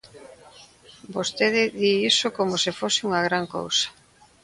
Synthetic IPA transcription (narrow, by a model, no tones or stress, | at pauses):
bost̪eðɪðiisokomosɪfosɪuŋɐɣɾaŋko̰wsɐ̥